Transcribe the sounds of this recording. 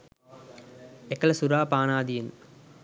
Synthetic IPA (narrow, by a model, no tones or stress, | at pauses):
ɛkːɐlɐsʊɾaːpaːnaːd̪ijɪn